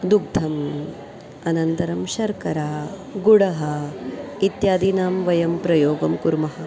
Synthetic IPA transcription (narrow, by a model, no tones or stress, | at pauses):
d̪uɡ̚d̪ʱɐm | ɐnɐnt̪ɐɾɐmʃɐɾkɐɾaː | ɡuɽɐɦɐ | it̪jaːd̪inaːmʋɐjɐmpɾɐjoːɡɐmkuɾmɐɦɐ